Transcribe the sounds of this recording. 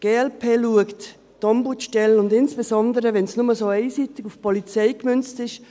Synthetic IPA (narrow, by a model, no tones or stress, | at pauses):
ɡ̥eːɛlpʰeːluəkt | tɑmbutʃtɛləʊndɪnsb̥esɔndəɾəʋɛnsnʊməsoːeɪsiːtɪkufpʰɔlit͡seɪkmʏnt͡stɪʃ